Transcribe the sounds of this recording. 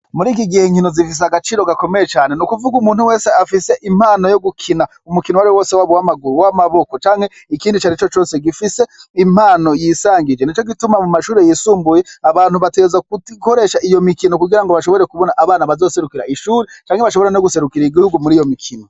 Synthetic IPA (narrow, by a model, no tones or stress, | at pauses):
muɾiːkiɡiheŋhino̞zifis̬aɡat͡ʃiːɾo̞ɡako̞mejet͡ʃaːne̞nukuvuɡumuːn̥huwe̞ːseafise̞ʔim̥haːno̞jo̞ɡukʰina | umukinowaɾiwo̞ːsewaβowamaɡuɾuwamaβo̞ko̞t͡ʃaːŋhe̞ | ikiːndit͡ʃaɾit͡ʃo̞t͡ʃo̞ːse̞ɡifise̞im̥haːno̞jiːsaːŋɡid͡ʒeniːt͡ʃoɡitumamumaʃuːɾejisuːmbuje̞aβaːnhuβateezakuko̞ɾe̞ʃaʔijo̞mikinokuɡiɾaŋɡoβaʃo̞βo̞ɾekuβo̞naʔaβaːnaβazo̞ːse̞ɾukiɾaʔiʃuːɾet͡ʃaːŋhe̞βaʃo̞βo̞ɾenoɡuse̞ɾukiɾaiɡihuɡumuɾiːjo̞mikʰino